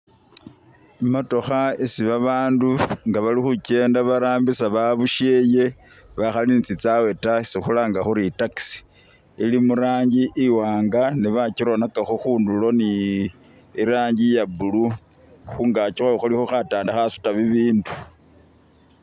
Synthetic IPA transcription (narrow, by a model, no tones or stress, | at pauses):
imato̞xaesiβaβaːnduŋɡaβalixuce̞ːndaβaɾaːmbisaβaβuʃe̞ːje̞ | βaxalinit͡sit͡sawe̞tasixulaːŋɡaxuɾitaksi̥ | ilimuɾaːɲɟiʔiwaːŋɡaniβaciɾo̞nakaxoxuːndulo̞ni | iɾaːɲɟijabulu | xuŋɡacixoxulixoxataːndaxasu̥taβiβiːndu